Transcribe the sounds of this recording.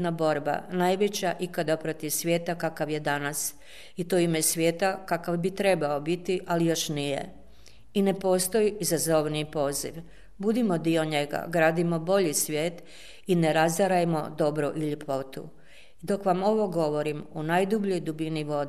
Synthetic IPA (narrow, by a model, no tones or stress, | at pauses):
nabo̞ɾba̰najʋet͡ɕaʔikad̪apɾo̞t̪iʋsʋʲje̞ːt̪akakaʋje̞d̪anas | it̪oimesʋʲje̞ːt̪akakaʋbit̪ɾe̞baobit̪iʔalijo̞ʃnijḛ | ine̞po̞ːst̪o̞iʔizazo̞ʋnipo̞ːzḭʋ | bud̪imo̞d̪io̞ɲe̞ɡa̰ɡɾaːd̪imo̞bo̞ʎisʋʲje̞ːt̪ | ineɾazaɾajemo̞̰d̪o̞bɾoʔiʎepʰo̞t̪ṵ | d̪o̞kʋamo̞ʋo̞ɡo̞ʋo̞ɾimunajd̪ubʎo̞jd̪ubiniʋo̞d̪